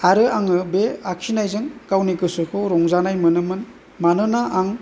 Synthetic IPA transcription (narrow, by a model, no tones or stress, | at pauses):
aɾɯaŋɯbeaksinajzɯŋkawnikɯsɯkʰɯɾɔŋzanajmɯnɯmɯn | manɯnaaŋ